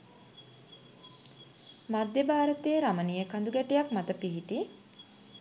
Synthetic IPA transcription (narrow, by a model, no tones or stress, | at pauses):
mad̪jebaːɾət̪eeɾamənijekand̪uɡæʈijakmat̪əpiɦiʈi